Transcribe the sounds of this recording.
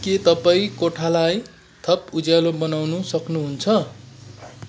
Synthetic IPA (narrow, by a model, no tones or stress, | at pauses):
ket̪ʌpaĩkoʈʰalaj | t̪ʰʌpud͡zjalobʌnawnusʌknuɦunt͡sʰʌ